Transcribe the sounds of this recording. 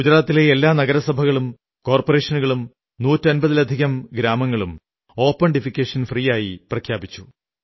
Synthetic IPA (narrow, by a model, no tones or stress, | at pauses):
ɡud͡ʑɾaːt̪ːile̞elːaːnɐɣɐɾɐsɐbʱɐɣɐɭum | ko̞ːrpore̞ːʂɐnuɣɐɭum | nuːtːɐnbɐðilɐd̪ʱiɣɐmɡɾaːmɐŋːɐɭum | o̞ːpːɐɳɖifikʲːeːʂɐnfriːjaːjiprɐkʰjaːbit͡ɕːu